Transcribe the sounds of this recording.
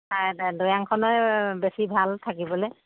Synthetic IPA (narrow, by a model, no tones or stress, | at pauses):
adojaŋkʰɔnɔjbesibʱaltʰakibɔlɛ